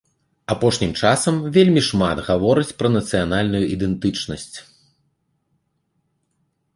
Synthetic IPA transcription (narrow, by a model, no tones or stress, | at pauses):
apɔʂnʲimt͡ʂasɐmvʲelʲmʲiʂmat̪ɣavɔɾɨt͡sʲpɾɐnɐt̪sɨjanalʲnujuʔid̪ɛnt̪ɨt͡ʂnɐsʲt͡sʲ